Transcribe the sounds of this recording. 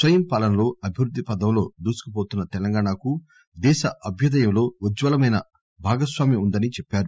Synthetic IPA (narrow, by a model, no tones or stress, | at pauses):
sʋɐjɐmpaːlɐnɐlo̞ːɐbʱiʋɾud̪ʱːipɐd̪ɐmlo̞ːd̪uːsu̥kɐp̬oːt̪unːɐt̪ɛlɐŋɡaːɳaku | d̪ɛːʃɐʔɐbʱjɐd̪ɐjɐmlo̞ːɐd͡ʒʋɐlɐmɐjnɐ | bʱaːɡɐsʋaːmjɐund̪ɐnit͡ʃɛpːaːɾu